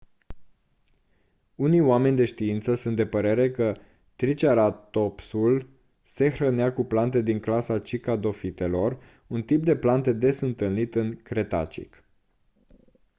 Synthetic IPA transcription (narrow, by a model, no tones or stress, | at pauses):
unijoame̞nʲd̪e̞ʃt̪iint̪səsunt̪̚d̪e̞pəɾe̞ɾe̞kə | t̪ɾit͡ʃaɾat̪opsul | se̞xɾəneakuplant̪̬e̞d̪iŋklasat͡ʃikad̪o̞fit̪e̞lo̞r | unt̪ip̚d̪e̞plant̪e̞d̪e̞sɨnt̪ɨlnit̪ɨŋkɾe̞t̪a̰t͡ʃḭk